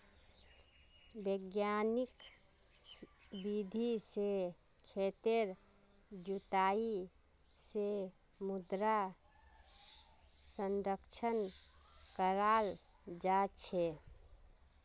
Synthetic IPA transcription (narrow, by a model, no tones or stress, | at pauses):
bəɡjanik | sbid̪ʱise | kʰet̪eɾ | d͡ʒut̪ai | se | mud̪ɾa | sənɾəkt͡ʃʰən | kəɾal | d͡ʒat͡ʃʰɛ